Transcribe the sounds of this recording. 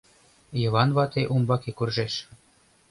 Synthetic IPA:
jɤ̆βɑnβɑt̪eʔumbɑkekurʒeʃ

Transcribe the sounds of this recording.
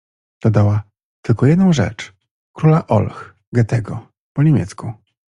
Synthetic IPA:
d̪̥ɔd̪awa | t̪ɘlkɔjɛd̪nɔ̃w̃ʐɛ̰t͡ʂ | kɾulaʔɔ̰lx | ɡɛt̪ɛɡɔ | pɔɲemʲjɛ̰t̪sku

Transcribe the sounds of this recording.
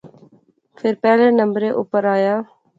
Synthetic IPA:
fʰɪɾpɛːleːnəmbɾeːʔʊpəɾaːjaː

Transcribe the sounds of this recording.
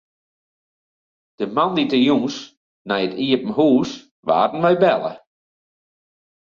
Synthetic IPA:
d̥əmanditəjuŋs | nɛjətiəpəm̩huːs | ʋa̰ːdn̩ʋɛjbɛlˠə̰

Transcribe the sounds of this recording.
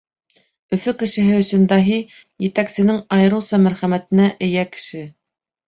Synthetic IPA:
ɵ̆fɵkɘ̆ʃɘ̆ɦɘɵ̆sɵ̆nd̪æɦi | jɘ̆t̪æksɘ̆nɘŋɑjɤ̆ɾɤ̆wˠsɑmæɾχæmæt̪ɘ̆næʔɘ̆jækɘ̥̆ʃɘ

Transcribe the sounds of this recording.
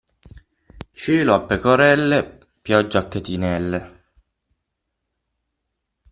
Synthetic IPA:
t͡ʃiːloapːekoɾɛlːe | pjɔd͡ʒːakːet̪inɛlːe

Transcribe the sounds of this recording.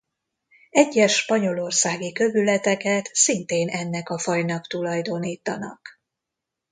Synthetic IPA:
ɛɟːɛʃːpɒɲo̞lo̞rsaːɡikø̞vylɛt̪ɛkɛt̪sint̪eːnɛnːɛkɒfɒjnɒkt̪ulɒjd̪o̞niːt̪ɒnɒ̰k

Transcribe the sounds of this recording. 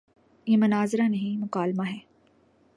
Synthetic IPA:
jemɐnaːzɾanɐɦĩmʊqaːlmaɦɛː

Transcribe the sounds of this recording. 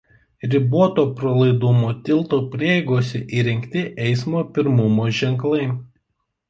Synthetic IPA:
ɾʲɪboɔt̪oːpɾolˠɐɪd̪ʊmoːt̪ʲɪlˠˑt̪oːpʲɾʲiːɛɪɡoːsʲɛʔiɾʲɛŋʲkʲt̪ʲɪʔɛɪsmoːpʲɪɾmʊmoːʒʲɛŋˑklˠɐɪ

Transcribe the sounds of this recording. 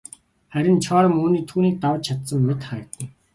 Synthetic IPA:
χæɾʲɪ̆nt͡ɕʰɔːɾə̆muːniːt̪ʰuːniːk̚t̪awə̆t͡ɕt͡ɕʰat̪sə̆mːet̪χæ̆ːt̪ə̆ŋ

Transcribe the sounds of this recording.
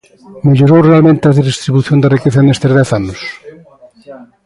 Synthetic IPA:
meʎoɾowrealmẽnt̪ɪɐðizðist̪ɾiβuθjõnd̪ɐrikeθɐenest̪ezðɛθanʊs

